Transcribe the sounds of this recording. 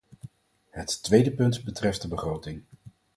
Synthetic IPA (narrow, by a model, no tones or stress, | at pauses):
ɦətːʋejdəpɵntbətrɛft̚dəbəχrowtɪŋ